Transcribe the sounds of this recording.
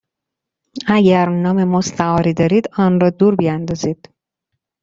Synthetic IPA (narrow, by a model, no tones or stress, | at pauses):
æɟæɾnɒːme̞most̪ʰæɒːɾiːd̪ɒːɾiːd̪ɒːnrɒːd̪uːɾbijænd̪ɒːziːd̪̥